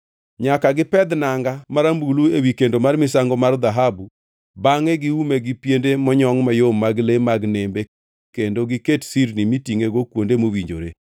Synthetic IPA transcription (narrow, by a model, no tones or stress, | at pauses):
ɲakaɡɪpɛd̪naŋɡamaɾambuluewikendomarmɪsaŋɡɔmard̪aɦabu | baŋɛɡɪumeɡɪpjendemɔɲɔŋmajomːaɡlemaɡnembe | kendoɡɪketsiɾnimitiŋeɡokwondemowiɲd͡ʒo̰ɾḛ